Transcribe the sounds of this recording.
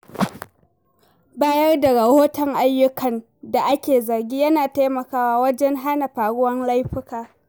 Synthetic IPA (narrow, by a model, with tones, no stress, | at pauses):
baː˦jɐ˦rda˨ɽɐ˨hoː˦tɐ˨ŋʔa˦jːʊ˦kʰɐ˨n | da˨ʔa˦kʲeː˨zɐ˨rɡʲiː˦jɐ˦naː˨ta˦jmɐ˨kaː˦waː˦wɐ˦d͡ʒɛ˦ŋɦa˦na˨ɸaː˨ɽʊ˦wɐ˦nla˦jɸɪ˦kaː˨